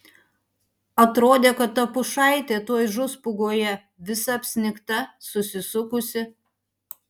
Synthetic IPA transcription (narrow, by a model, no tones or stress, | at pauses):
ɐt̪ɾoːd̪ʲeːkɐt̪ːɐpʊʃɑˑɪt̪ʲeːt̪oːjʒʊspʊɡoːjɛ | ʋʲɪsɐɐpʲsʲnʲɪkt̪ɐsʊsʲɪsʊkʊsʲɪ